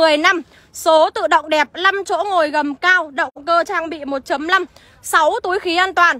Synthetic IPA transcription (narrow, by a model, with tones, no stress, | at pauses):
ɨ˨˩əjna˧m | so˨˦t̪ɨ̰˧˨ɗə̰˧˨wŋ͡mɗɛ˨˩p̚la˧mt͡ɕo̰˧˥ŋo˨˩jɣə˨˩mkaː˧wɗə̰˧˨wŋ͡mkəː˧t͡ɕaː˧ŋɓḭ˧˨mo˨˩t̚t͡ɕə˨˦mla˧m | sa˨˦wt̪u˨˦jxi˨˦ʔaː˧nt̪waː˨˩n